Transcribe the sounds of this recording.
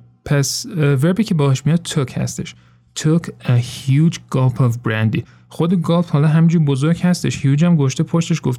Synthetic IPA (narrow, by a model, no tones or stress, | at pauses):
pʰæsveɾbiːcʰebɛhɒʃmijɒd̪̚t̪ʰokʰhæ̰st̪e̞̰ʃ | t̪ʰokʰæhjuːd͡ʒɡ̥ɒlpʰɒvbɾænd̪i | xod̪eɡɒlphɒːlɒɦæmid͡ʒuɾbozoɾɡhæst̪eʃhjuːd͡ʒæmɡoʃt̪epʰoʃt̪e̞ʃɡoft̪